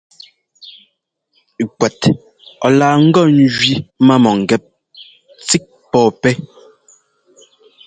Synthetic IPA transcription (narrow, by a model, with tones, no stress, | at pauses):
kwɛ˨t | ɔ̰˨laː˨ŋ̩˦ɡɔ˦n̩˦d͡ʒɥi˦ma˦˨mɔ˨ŋ̩˨ɡɛ˨p̚ | t͡si˦k̚pɔː˦˨pɛ˦